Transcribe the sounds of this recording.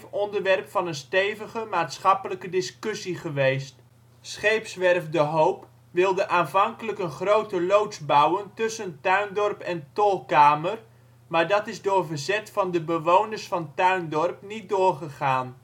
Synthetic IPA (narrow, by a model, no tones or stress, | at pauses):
fɔndəɹʋɛrpfɑnənstejvəχəmaːtsχɑpələkədɪskɵsiχəʋejst | sχejpsʋɛrvdəɦowp | ʋɪlˠdəʔaːnvɑŋkələkənχrowtəlowtsbʌwəntɵsəntœɥndɔrpɛntɔlˠkaːmər | maːɹdɑtɪzdʊːɹvəɹzɛtfɑndəbəʋownəɹsfɑntœɥndɔrpnit̚dʊːɹχəχaːn